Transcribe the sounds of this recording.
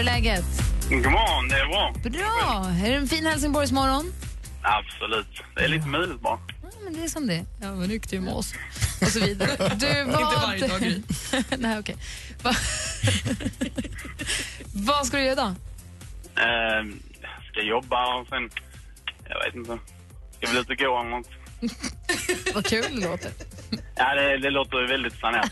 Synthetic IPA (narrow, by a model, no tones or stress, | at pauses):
lɛːɡət̪ɡmɑd̪ɛːbɾɑːb̥ɾɑːæɖɛɛnfiːnhɛls̬ɪŋbɔɾjs̬mɔɾɔn | ab̥sɔlʉ̟ːt̪ | d̪ɛ̰æ̰ɭiːt̪əmœjlɪt̪̚bɑ̰ː | mɛnd̪ɛːsɔmd̪ɛjɑːɾʏkːt̪əjmɛ̰ɔ̰sɔs̬ɔviːd̪aɾəd̪ɵəva | næɪɔkʰɛj | va | vaskad̪ɵjœːɾad̪ɔ | jskajɔbːaɔsɛn | jɑ̰vḛːt̪ɪnt̪ə | sjaʋɪlʉːt̪əɡoːanŋɔŋ | vakkʰʉ̟ːld̪ɛloːt̪əɾjʔaːd̪ɛd̪ɛloːt̪əɾvɛld̪ɪt̪̚pʰlaneːɾ